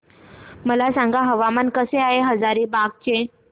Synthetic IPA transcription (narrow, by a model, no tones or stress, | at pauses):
məlasaŋɡaɦəʋamankəseaɦeɦəd͡zaɾibaɡ̚t͡ɕe